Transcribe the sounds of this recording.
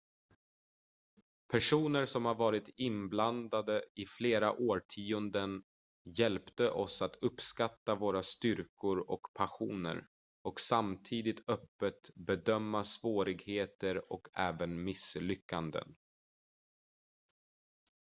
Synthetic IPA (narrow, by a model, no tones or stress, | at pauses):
pʰæʂuːnəɾsɔmhaɾvɑːɾɪt̪ɪnbland̪ad̪əɪfleːɾa̰ʔoːʈʰiːɵnd̪ən | jɛlpt̪əʔɔsat̪ɵpːskat̪ːavoːɾast̪ʏɾkʰʊɾɔkpʰaɧṵːnə̰ɾ | ɔksamt̪ʰiːd̪ɪt̪ʰœpːət̪bɛd̪œmːasvoːɾɪɡheːt̪əɾɔkʰɛːvənmɪslʏkːand̪ə̰n